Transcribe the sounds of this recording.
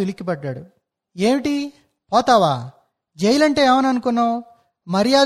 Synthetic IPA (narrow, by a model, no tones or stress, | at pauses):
ilikːipɐɖːaːɽu | e̞ːmiʈi | pɔːt̪aːʋa̰ː | d͡ʒejilɐɳʈe̞ːaːʋɐnɐnukunːoː | mɐɾijaː